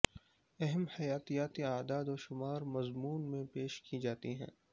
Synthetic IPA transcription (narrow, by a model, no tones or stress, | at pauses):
ɛɦɛmhɐjaːt̪ijaːt̪iaːd̪aːd̪ɔːʃʊmaːɾmɐzmuːnmẽpeːʃkid͡ʒaːt̪iɦɛ̰̃ː